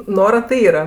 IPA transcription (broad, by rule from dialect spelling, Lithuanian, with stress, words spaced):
ˈnoːrɐ tʲɪ ˈiːrɐ